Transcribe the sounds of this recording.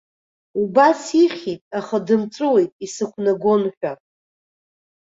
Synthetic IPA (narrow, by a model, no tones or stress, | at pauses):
ubasiχʲitʼaχadɨmt͡sʷʼɨwe̞jtʼisɨkʷʰnaɡʷo̞nħʷᶣa